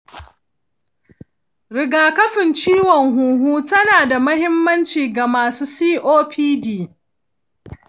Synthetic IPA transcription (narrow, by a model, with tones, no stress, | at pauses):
ɾɪ˨ɡaː˨kɐ˦ɸɪ˨nt͡ʃiː˦wɔ˨ŋɦuː˨ɦuː˦tɐ˦naː˨da˨mɐ˦hɪ˦mːɐ˦nt͡ʃiː˨ɡa˨maː˨suː˦siː˦ʔoː˦pʰiː˦diː˨